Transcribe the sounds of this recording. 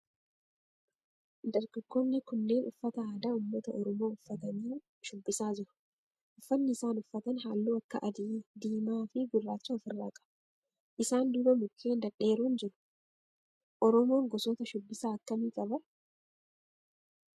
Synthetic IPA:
d̪ɐɾɡɐɡːuːnːɪkʊnːe̞ːnʔʊfːɐt̪ɐaːd̪aːʊmːɐt̪ɐɔɾɔmo̞ːʊfːɐt̪ɐmiː | ʃʊbːɪsaːd͡ʒɪɾʊ̥ | ʔʊfːɐnːɪɪsaːnʊfːɐt̪ɐnɦaːlːuːɐkːɐ̰ʔɐd̪id̪iːmaːfɪɡʊrːaːt͡ʃːʊɐfɪrːa̰ːkʼɐ̥b̥ɐ | ʔɪsaːnd̪ʊbɐmʊkʰːeːnd̪ɐᶑe̞ːɾuːnd͡ʒɪɾʊ̥ | ʔɔɾɔmo̞ːŋɡɔsɔːt̪ɐʃʊbːɪsaːɐkːɐmiːkʼɐbɐ

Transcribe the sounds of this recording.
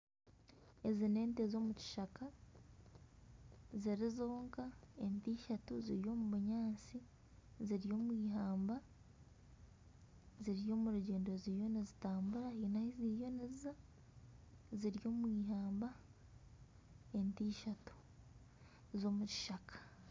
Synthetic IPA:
e̞zine̞ːnte̞zo̞ːmuci̥ʃaka | ziɾizoːŋkaentiːʃatuziɾjo̞ːmuβuɲaːnt͡si | ziɾjo̞ːmwiːɦaːmba | ziɾjo̞ːmuɾuɟe̞ːndo̞ziːjo̞nizitaːmbuɾahiːnahiziːjo̞nizza | ziɾjo̞ːmwiːɦaːmba | entiːʃatu̥ | zo̞ːmuci̥ʃakḁ

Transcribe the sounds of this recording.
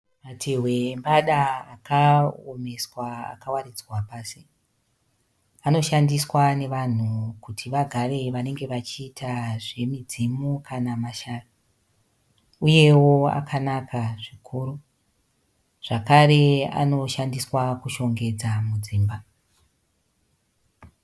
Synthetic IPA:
matʰeɦwe̞ːmbaɗaːkaome̞swa̰ːkawaɾid͡zwapaːsi | ano̞ʃandiswane̞ʋan̤ukutʰiʋaɡʱare̞ʋane̞ŋɡe̞ʋat͡ʃiːtʰaʐe̞mid͡zimokʰanamaʃaːja | uje̞wo̞a̰kʰanakaʐikʰuːɾu | ʐ̥akaɾe̞a̰no̞ʃandiswakuʃo̞ŋɡe̞d͡zamud͡ziːmba

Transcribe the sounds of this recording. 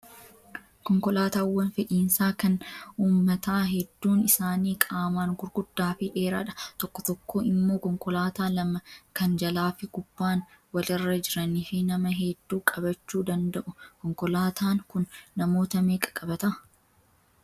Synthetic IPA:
kɔŋkɔlaːt̪aːwːɐnfɛᶑiːnsaːkɐnuːmːɐt̪aːɦɛd̪ːuːnɪsaːniːkʼaːmaːŋɡʊɾɡʊd̪ːaːfɪᶑeːɾa̰ːᶑɐ̥t̪ɔkːɔt̪ɔkːo̞ːɪmːoːkɔŋkɔlaːt̪aːlɐmɐkɐnd͡ʒɐlaːfɪkʊb̥ːaːnwɐlɪrːɐd͡ʒɪɾɐniːfɪnɐmɐɦɛd̪ːuːkʼɐbɐt͡ʃːuːd̪ɐnd̪ɐʔʊkɔŋkɔlaːt̪ʰaːŋkʊnːɐmo̞ːt̪ɐmeːkʼɐ̥kʼɐbɐt̪ɐʔɐ

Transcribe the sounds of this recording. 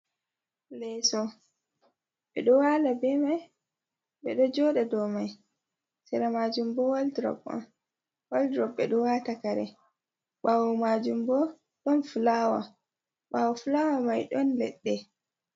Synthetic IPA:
lɛsɔ | ɓɛ̰ɗɔwaːlabɛmaj | ɓɛɗɔd͡ʒɔɗɛdɔmaj | sɛɾamad͡ʒumbɔwaldiɾɔ̰ba̰m | waldɾɔbːɛɗɔwatakaɾɛ̰ | ɓawɔmad͡ʒumbɔ | ɗɔnfulaːwa̰ | ɓawɔfulawamajɗɔnlɛ̰ɗːɛ

